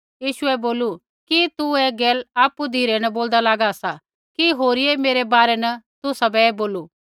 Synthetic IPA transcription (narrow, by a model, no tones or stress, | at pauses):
jiːʃʊɛboːlu | kit̪uɛɡɛːlaːpud̪ʱiːɾenɐboːld̪alaːɡasa | kiɦoːɾiemeːɾebaːɾɛnɐt̪ʊsabɛeːboːluː